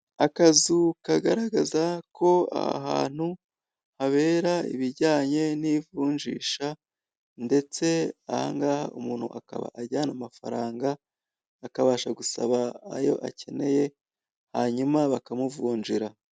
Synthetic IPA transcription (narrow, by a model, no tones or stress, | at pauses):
akazukaɡaɾaɡazakʰo̞a̰ɦa̰ːn̥hu | haβe̞ːɾaḭβiɾɟaːɲe̞nivuːɲʒḭːʃa | nde̞t͡se̞a̰ha̰ŋɡaːha̰umuːn̥hṵʔaka̰βa̰ʔaɾɟanamafa̰ɾaːŋɡaː | kaβaːʃaɡusa̰βa̰ːjo̞̰ʔa̰ce̞ne̞je̞ | haɲumaβakamuvuːɲʒiɾa